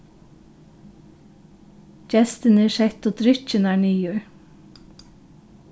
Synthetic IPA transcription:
d͡ʒɛst̪əneʃɛt̪oːt̪ɾʏc͡çənæːɳyːjʉːɹ

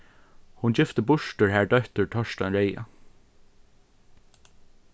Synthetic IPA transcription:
hʊnd͡ʒɪft̪əbʊʃʈəɹhæːɹɖœht̪əɹtʰɔʃtɑnɹeɪɑ̰

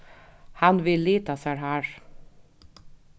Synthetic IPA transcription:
hɑnʋɪlːiːt̪ɑsæːɾhæːɾ

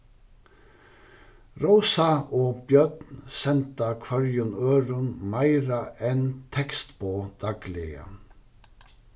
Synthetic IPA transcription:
ɾoʊsɑʔoːbjœt̪nsɛnt̪ɑkʰʋœɹjʊnøːɾʊnmæɪɾɑʔɛnt̪ʰɛkst̪boːd̪̥ɑɡ̥lɪə̰

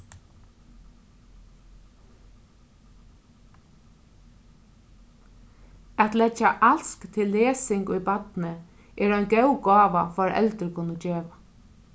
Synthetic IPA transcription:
æt̪lɛd͡ʒaʔalskt̪ʰɪlːeːsɪŋkʊjbat̪nə | ʔɛːɾɔʏnɡɛwɡɑːʋa̰fɔɾɛ̰lt̪əɾkʰʊnəd͡ʒeːʋa

